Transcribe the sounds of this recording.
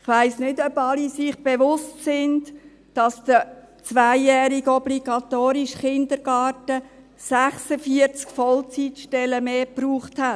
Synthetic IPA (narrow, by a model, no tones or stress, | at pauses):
ɪχʋaɪsnɪdœbɑlisɪχb̥eʋʊstsɪnt | d̥ɑsd̥ə | t͡sʋæɪːɛːɾiɡɔbliɡ̥ɑt̪oːɾiʃχɪndəɾɡ̥ɑːtə | sæχsəfiəɾt͡skfɔlt͡sitʃtɛləmeːpɾuːχthæt